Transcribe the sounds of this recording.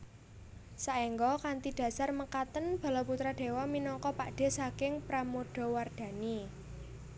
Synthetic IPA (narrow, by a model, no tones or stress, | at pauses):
saʔeŋɡɔkant̪iɖ̪̥ä̤sarməkat̪ənb̥a̤lɔput̪ɾaɖ̥e̤wɔminɔŋkɔpaʔɖ̥e̤sakɪŋpɾamoɖ̥ɔ̤ward̪̥ä̤ni